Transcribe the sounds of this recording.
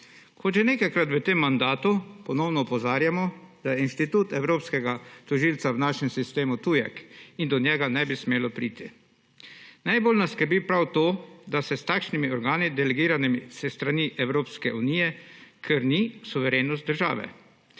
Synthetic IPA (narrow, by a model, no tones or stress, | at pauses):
kʰɔt̪ʒɛneːkajkɾat̪ʋət̪emːand̪aːt̪upɔnɔwnɔupɔzaːɾjamɔd̪̥ajɛinʃt̪it̪uːt̪ɛwɾoːpskɛɡat̪ɔʒiːlt̪sawnaːʃɛmsist̪eːmut̪ujɛ̰kind̪ɔnjɛɡanɛbismeːlɔpɾiːt̪i | najboːlnaskəɾbipɾawt̪oːd̪asɛst̪aːkʃnimiɔɾɡaːnid̪ɛlɛɡiːɾanɛmisɛst̪ɾaniʔɛwɾoːpskɛʔunijɛkʰɛɾnisuʋɛɾeːnɔst̪d̪əɾʒa̰ːʋɛ̰